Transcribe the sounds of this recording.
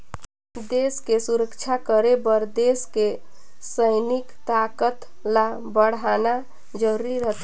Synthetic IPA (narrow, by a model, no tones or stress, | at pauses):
d̪eskesuɾəkt͡ʃʰakəɾebəɾd̪eske | səɪnɪkt̪akət̪ | la | bəɽ̤ana | d͡ʒəɾiɾət̪ʰ